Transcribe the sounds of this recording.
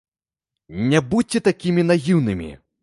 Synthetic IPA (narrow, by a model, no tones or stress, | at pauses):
nʲabut͡sʲːɛt̪akʲimʲinajiwnɨmʲḭ